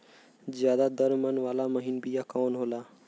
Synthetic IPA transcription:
d͡ʒjad̪ad̪əɾmənʋalaməɦinbijakanɦola

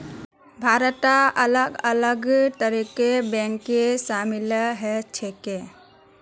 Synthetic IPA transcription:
bʱaɾət̪aələɡələɡt̪əɾikebɛ̃ŋkːesamilɦɛt͡ʃʰeke

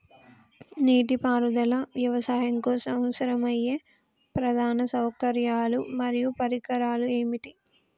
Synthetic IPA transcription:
niːʈipaːɾud̪ɐlɐʋjɐʋɐsaːɦɐŋkoːsɐmsɐɾɐmɐjːeː | pɾɐd̪ʱaːnɐsɐwkɐɾjaːlumɐɾijupɐɾikɐɾaːlue̞ːmiʈi

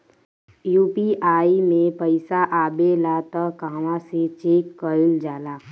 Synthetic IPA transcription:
juːpiʔaːimẽpəɪsaʔaːbelaːt̪əkãːʋãsit͡ʃiːkːəɪld͡ʒaːlaː

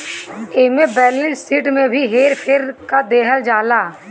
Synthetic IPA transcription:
eːmebɛːɾlɪ̃nsiːʈmẽbʱiɦeːɾpʰeːɾkad̪eːɦəld͡ʒaːlaː

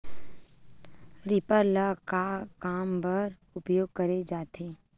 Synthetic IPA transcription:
ɾɪpəɾləkakaːmbəɾ | ʊpjoːɡ̚kəɾed͡ʒaːt̪ʰeː

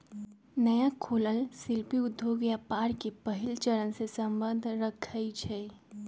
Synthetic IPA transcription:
nəjakʰoːləlsɪlpiʊd̪ʱːjoɡjapaːɾkepəɦɪlt͡ʃəɾənsesəmbə̃nd̪ʱɾəkʰəit͡ʃʰɛ

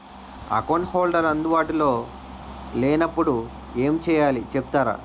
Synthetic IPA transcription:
ɐ̰konhoːlɖɐɾɐnd̪ubaːʈulo̞ː | leːnɐpːuɽu | eːmt͡ʃɛːjaːlit͡ʃepu̥t̪aːɾa̰ː

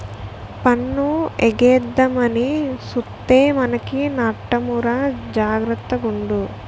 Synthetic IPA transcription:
pɐnːueɡeːd̪ːɐmɐnisut̪ːeːmɐnɐkinaːʈːɐmuɾad͡ʒaːɡɾɐt̪ːɐɡuɳɖu

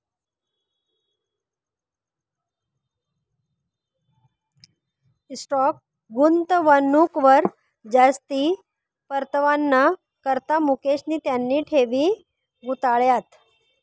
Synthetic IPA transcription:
sʈɔk̚ | ɡunt̪ʋənukʋəɾ | d͡zast̪i | pəɾt̪əʋanːa | kəɾt̪amukeɕniːt̪janːiːʈʰeʋiː | ɡut̪aɭjat̪

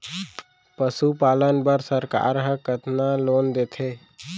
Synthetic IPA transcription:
pəsupaːlənbəɾsəɾka̰ːɾɦə̃kət̪naloːnd̪eːt̪ʰeː

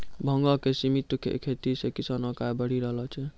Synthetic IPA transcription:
bʱəŋɡɔkesimit̪kʰḛkʰet̪isekisanɔkajbəɽ̤iɾəɦlɔt͡ʃʰɛ

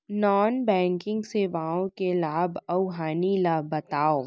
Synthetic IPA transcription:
nɔːnbɛ̃ːŋkɪ̃ŋɡseʋãːõkelaːbʱɐʊɦaːnilabɐt̪aːoː

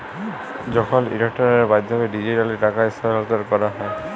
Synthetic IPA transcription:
zɔkʰɔlḭɹek̚tɔɹbajdʱɔbɛdizitalitakaisɔlɔtɔɹkɔɹaɦɔj

